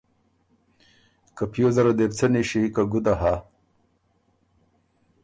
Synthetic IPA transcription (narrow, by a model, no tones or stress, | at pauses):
kapijozaɾod̪ept͡sʰeniʃikaɡud̪aɦa